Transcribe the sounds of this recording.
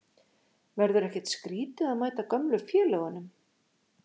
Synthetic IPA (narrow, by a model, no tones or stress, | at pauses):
vɛɾðʏɾɛhcɛt̪skɾiːt̪ɪaðmaːjt̪akœmlʏɾfjɛːlɛɣʏnʏm